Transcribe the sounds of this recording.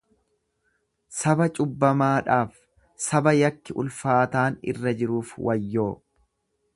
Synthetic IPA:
sɐbɐt͡ʃʼʊbːɐmaːᶑaːf | sɐbɐjɐkːɪʔʊ̰lfaːt̪aːnɪ̰rːɐd͡ʒɪɾuːfwʔɐjːo̞ː

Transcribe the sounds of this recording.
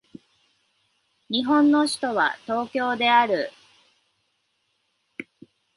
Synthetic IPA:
ɲ̟iɦõ̞nːo̞ɕi̥t̪o̞βa̰t̪o̞ːkʲo̞ːd̪e̞aɾɯ̟

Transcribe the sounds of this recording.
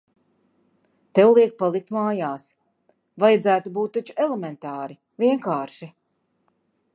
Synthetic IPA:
t̪ɛwlˠiɛk̚palˠik̚t̪maːjaːs | vajad̪zæːt̪ubuːt̪̚ːat͡ʃu̥ɛlemɛnt̪aːɾi | viɛŋkaːɾʃi

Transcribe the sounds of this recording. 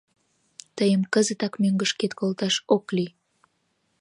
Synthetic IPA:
t̪əjəmkəzət̪ɑkmøŋɡəʃket̪kolt̪ɑʃoklyj

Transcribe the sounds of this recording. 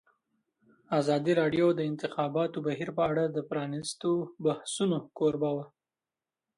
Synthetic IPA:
azɑd̪iɾɑɖjod̪əɪnt̪ɪxɑbɑt̪obaɦiɾpəaɽad̪əpɾɑnist̪obahsunokoɾbawa

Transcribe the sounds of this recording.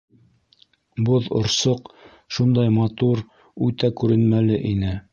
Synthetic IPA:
boðŏ̰ɾsoq | ʃund̪ɑjmɑt̪uɾ | ʉt̪ækʉɾɘ̆nmælɘʔinɘ

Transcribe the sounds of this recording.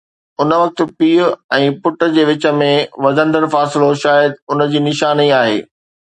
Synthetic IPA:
ʊnəʋɐk̚t̪̆piːʊɛ̃ːpʊʈə̆d͡ʑeːʋɪt͡ɕə̆mẽʋɐd̪ʱə̃nd̪əɾfaːsɪloʃaːjəd̪ʊnəd͡ʑiːnɪʃaːniaːɦḛː

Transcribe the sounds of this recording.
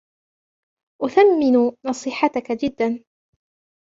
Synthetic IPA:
ʔʊθamːɪnʊnɑsˤiːħɑt̪akad͡ʒɪd̪ːan

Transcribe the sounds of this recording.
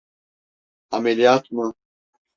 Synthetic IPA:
amelijaːt̪mɯ

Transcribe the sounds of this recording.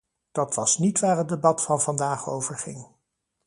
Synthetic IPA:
d̥ɑtʋɑsnitʋaːɹəd̚debɑtfɑnvɑndaːχowvəɹχɪ̰ŋ

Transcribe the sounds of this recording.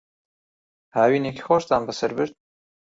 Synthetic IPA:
haːwiːneːkʰi̥xoʃt̪aːnbəsɐɾbɨɾd̪̚

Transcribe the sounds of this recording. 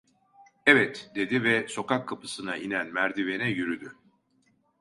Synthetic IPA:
ɛvɛt̪d̪̥e̞d̪ivɛso̞kakʰːapʰɯ̥sɯnaʔinænmæɾd̪ive̞nɛjyɾyd̪y

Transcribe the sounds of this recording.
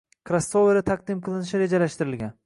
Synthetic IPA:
kʰɾasoveɾat̪ʰaq̚d̪ɪmqʰɨlˠɪnɪʃɪɾe̞d͡ʒalaʃt̪ɪɾɪlɡʲan

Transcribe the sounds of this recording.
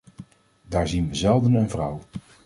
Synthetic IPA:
daːɹzinʋəzɛlˠdənənvrʌw

